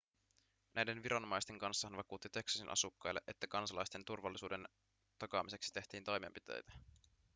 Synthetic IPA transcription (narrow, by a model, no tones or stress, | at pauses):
nʔæjde̞nʋiɾɑnomɑjst̪e̞ŋkɑnsːɑhɑnʋɑkuːt̪ːit̪e̞ksɑsinʔɑ̰sukːɑjlːeʔe̞t̪ːækɑnsɑlɑjst̪ent̪urʋɑlːisuːde̞n | t̪ɑkɑmise̞ksi̥t̪e̞ht̪iːnt̪ojmempit̪ḛjt̪æ